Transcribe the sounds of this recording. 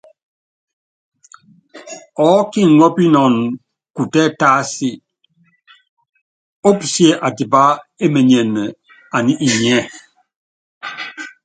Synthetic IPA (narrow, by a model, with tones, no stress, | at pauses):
ɔ˨˦ki˦˨ŋɔ˦pi˦nɔ˨n | ku˨tɛ˦˨ta˦si˦ | o˦psje˨ʔa˨di˨ba˦e˦me˨ɲ˨e˨nɛ˨ | a˨ni˦ʔi˨ɲ˨ɛ˦˨